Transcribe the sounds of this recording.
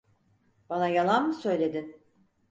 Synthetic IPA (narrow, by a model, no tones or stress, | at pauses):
b̥anajalˠanmɯsø̞jlʲe̞d̪in